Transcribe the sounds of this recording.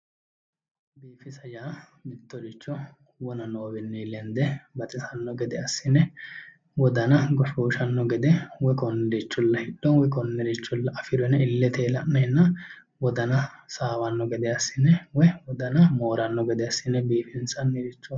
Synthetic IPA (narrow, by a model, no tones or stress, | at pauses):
biːfɪsɐjaːmɪt̪ːɔɾɪt͡ʃːɔ | wɔnɐnoːbɪnːiːlɛnd̪ɛbɐt̪ʼɪsɐnːɔɡɛd̪ɛɐsːɪnɛ | wɔd̪ɐnɐɡɔʃuːʃɐnːɔɡɛd̪ɛwɔkɔnːɛɾit͡ʃːʊlːɐhɪɗːɔnwɛkɔnːɛɾɪt͡ʃːʊlːɐʔɐfɪɾɔnɐɪlːɛt̪eːlɐnːɐjnːɐ | wɔd̪ɐnɐsaːwɐnːɔɡɛd̪ɛɐsːɪnːɛwɔwɔd̪ɐnɐmo̞ːɾɐnːɔɡɛd̪ɛɐsːɪnːɛbiːfɪnsɐnːɪɾɪt͡ʃːɔ